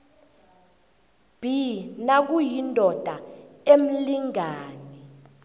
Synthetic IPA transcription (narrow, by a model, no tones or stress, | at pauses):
b̥ʱinak̬ujindʱɔd̥ʱaem̩liŋaːni